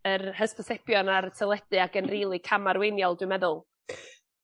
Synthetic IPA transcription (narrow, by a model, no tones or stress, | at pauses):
ərhəstɔsɛpjɔnaɾtʰəlˠɛd̥ɨaɡənriːlˠikʰamaɾwejnjɔlˠdwɨmɛðʊlˠ